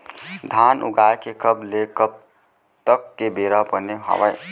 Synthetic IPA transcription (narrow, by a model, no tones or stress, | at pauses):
d̪ʱanʔṵɡaːjkekəblekəb̚ | t̪əkːebeɾapəneɦɔ̰ʋəj